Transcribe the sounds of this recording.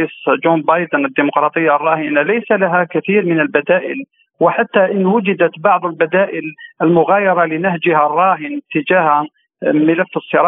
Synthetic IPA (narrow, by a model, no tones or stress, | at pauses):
ʔisd͡ʒumbɑjd̪ənəd̪ːimʊqɾˤɑːt̪ˤəjːarˤːɑːhɪnalajsalaɦakat̪iːɾmɪnəlbæd̪æːʔɪ̰l | wɪħat̪ːaʔɪnːwʊd͡ʒɪd̪æt̪bɑʕd̪ˤəlbæd̪æːʔɪlʔəlmʊɣaːjɑɾˤɑlɪnahd͡ʒharˤːɑːɦɪnt̪ɪd͡ʒaːh | mɪlafːəsˤːəɾˤɑ